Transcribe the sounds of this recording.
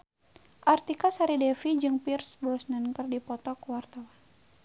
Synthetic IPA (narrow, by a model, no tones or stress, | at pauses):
ʔart̪ikasaɾidɛfid͡ʒɨŋpirsblɔsnənkərdipɔt̪ɔkuwart̪awan